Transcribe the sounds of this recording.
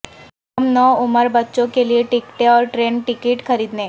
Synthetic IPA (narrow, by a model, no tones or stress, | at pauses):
əmnəʊməɾbətːʃõkelieʈikʈeɔːɾʈɾenʈikiʈkʰəɾiːd̪nẽ